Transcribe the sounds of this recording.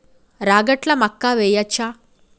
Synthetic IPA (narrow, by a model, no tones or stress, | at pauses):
ɾaːɡɐʈlɐmɐkːaːʋɛjɐt͡ʃʰːaː